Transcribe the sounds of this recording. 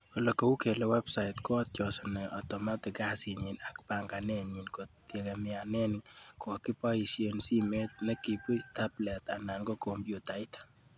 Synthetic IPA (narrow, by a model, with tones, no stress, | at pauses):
kɔ˨lɔ˨ko˨u˦ke˨lɛwɛ˦psa˨itkɔ˦t̚t͡ʃɔ˨sɔnɛ˨ʔɔ˨tɔ˨ma˦tɪ˨ka˦si˨ɲi˨na˨kpa˨ŋɡa˨ne˦ɲi˨nkottje˨kɛ˨mɪa˨nɛ˦nkɔ˨ki˦pa˦i˨sje˨nsi˦me˦t̚nɛ˦ki˨pu˦ta˦blɛ˨ta̰˨na˨ŋɡɔ˦ko˨mbjo˨ta˨i˦t